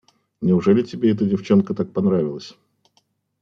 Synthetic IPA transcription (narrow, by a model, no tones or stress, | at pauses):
nʲɪʊʐɛlʲɪtʲɪbʲe̞ɛt̪ədʲɪft͡ɕo̞nkət̪ak̚pɐnɾavʲɪlˠəsʲ